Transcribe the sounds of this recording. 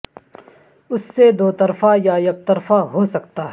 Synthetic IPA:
ʊsːed̪oːt̪ɐɾfajajɐk̚t̪ɐɾfaɦosɐkt̪aːɦɛ

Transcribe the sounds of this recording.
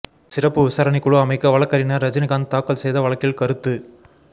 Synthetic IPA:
sɪrɐpːɯʋɪsaːɾɐnɪkːɯɭoɐmɐɪkːɐʋɐɭɐkːɐɾɪnɐɾɐd͡ʒɐnɪɣaːnt̪aːkːɐlsɛjðɐʋɐɭɐkːɪlkɐɾɯt̪ːɯ

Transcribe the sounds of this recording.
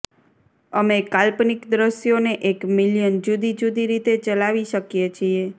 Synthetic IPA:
əmekalpnikd̪ɾəʃjoneʔekmiljənd͡ʒud̪ʱid͡ʒud̪iɾit̪et͡ʃəlaʋiʃəkjet͡ʃʰie

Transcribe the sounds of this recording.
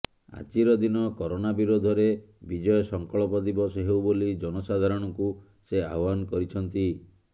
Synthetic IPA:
a̰t͡ʃiɾɔd̪inɔkɔɾonabiɾod̪ʱɔɾe | bid͡ʒɔjɔsɔŋkɔɭɔpɔd̪ibɔsɔɦewbolid͡ʒɔnɔsad̪ʱaɾɔɽ̃ɔku | sea̰ɦɔbankɔɾit͡ʃʰɔnt̪i

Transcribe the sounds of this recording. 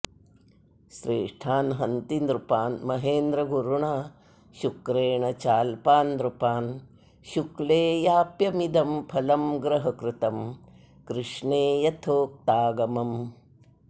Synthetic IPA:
ʃɾeːʂʈʰaːnɦɐnt̪ind̪ɾupaːnmɐɦeːnd̪ɾɐɡuɾuɳaː | ʃukɾeːɳɐt͡ʃaːlpaːnd̪ɾupaːn | ʃukleːjaːpjɐmid̪ɐmpʰɐlɐmɡɾɐɦɐkɾɪt̪ɐm | kɾɪʂɳeːjɐt̪ʰoːk̚t̪aːɡɐmɐm

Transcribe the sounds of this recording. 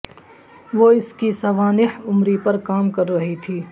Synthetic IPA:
ʋoːɪskisɐʋaːnɪɦʊmɾipɐɾkaːmkɐɾːɐɦit̪ʰiː

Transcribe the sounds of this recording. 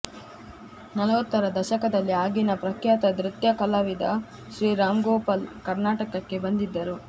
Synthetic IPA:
nɐlɐʋɐt̪ːɐɾɐd̪ɐʃɐkɐd̪ɐlːiaːɡinɐpɾɐkjaːt̪ɐd̪ɾit̪jɐkɐlaʋid̪ɐ | ʃɾiːɾaːmɡɔːpalkɐɾnaːʈɐkɐkːe̞bɐnd̪id̪ːɐɾu

